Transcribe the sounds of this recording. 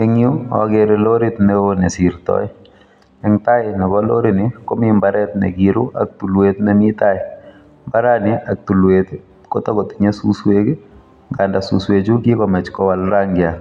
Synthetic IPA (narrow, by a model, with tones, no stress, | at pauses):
e˦ŋjo˦ɔ̰˨˦ɡeɾelo˦ɾi˦t̪nɛ˦onɛ˨si˨ɾt̪ɔ̰˦ɪ˦ | ɛ˨ŋt̪a˦ɪnɛ˨bɔlo̰˦ɾi˦nɪ˨ko˦mɪmbaɾɛ˦t̪nḛ˨ɡiɾu˦ʔa̰k̚t̪u˨lwet̪nɛ˦mɪt̪aɪ˨ | mba˦ɾa˦nɪ˦a˨k̚t̪u˨lwet̪ | ko˦t̪ɔ˦ɡɔ˨t̪i̥ɲe˦su˦swe˦ɡ | ŋɡa˨nda˨sṵ˨swe˨d͡ʒu˦ɡi˦kɔmɛ˨t͡ʃkɔ˦wa˨lɾaŋɡɪa˨